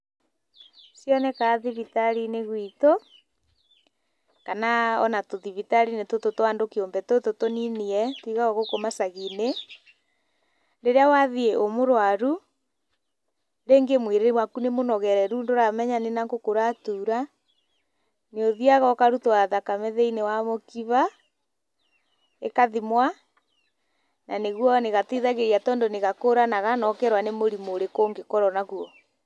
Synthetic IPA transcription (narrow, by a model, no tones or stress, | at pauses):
sjɔnɛkaðiβitaɾineɣwito | kanaɔ̰natoðiβitaɾinetototwandokeombɛtototoniniɛtiɣaɔɣokomasaɣine | ɾeɾeawaðieʔomoɾwaɾu | ɾeŋɡemweɾeewakunemonɔɣɛɾɛɾuːndoɾamɛɲanenaŋɡokoɾatuːɾa | neoðiaɣɔkaɾutowaðakamɛðɛinewamokiβa | ekaðimwa | naneɣwɔneɣatiðaɣeɾiatɔːndoneɣakoɾanaɣanɔkɛɾwanemoɾimoɾekoːŋɡekɔɾɔnaɣuɔ